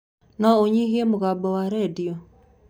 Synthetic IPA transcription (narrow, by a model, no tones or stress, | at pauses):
naoɲihiɛmoɣaːbɔwaɾɛdiɔ